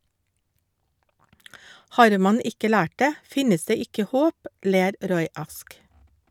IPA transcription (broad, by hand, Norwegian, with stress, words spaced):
ˈhɑːɾ ˈmɑn ˈɪkə ˈlæːʈ ˈdeː ˈfɪnəs ˈdeː ˈɪkə ˈhoːp ˈleːɾ ˈɾɔʏ ˈɑsk